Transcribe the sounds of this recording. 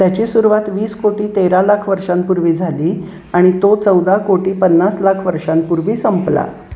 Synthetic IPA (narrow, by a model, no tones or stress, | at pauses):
t̪jat͡ɕiːsuɾuʋat̪ʋiːskoʈiːt̪eɾalakʰʋəɾʂãnpuɾʋiːd͡zʱaliː | aɽ̃it̪ot͡səwd̪akoʈiːpənːaslakʰʋəɾʂãnpuɾʋiːsəmpla̰